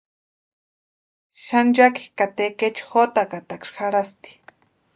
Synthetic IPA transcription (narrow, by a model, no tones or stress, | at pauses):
ʃand͡ʒaki̥kat̪eket͡ʃxot̪akat̪akʂxaɾast̪i̥